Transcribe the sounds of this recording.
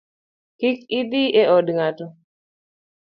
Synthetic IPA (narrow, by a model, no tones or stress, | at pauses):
kɪkɪd̪iʔeɔdŋatɔ